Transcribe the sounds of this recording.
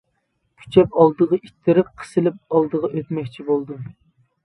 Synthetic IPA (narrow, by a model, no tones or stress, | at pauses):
pʰy̥t͡ʃʰɛpɑlˠd̪əʁɑʔit̪ʰːɪɾɪp̚qʰə̥sɨlɪp̚ɑlˠd̪əʁɑʔøt̪mɛkʲt͡ʃʰibolˠd̪u